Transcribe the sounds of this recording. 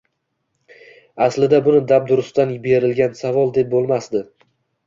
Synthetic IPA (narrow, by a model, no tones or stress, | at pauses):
aslɪd̪abʊnɪd̪ab̚d̪ʊɾʊst̪anbe̞ɾɪlɡʲansavɒlˠd̪e̞p̚bolˠmasd̪ɪ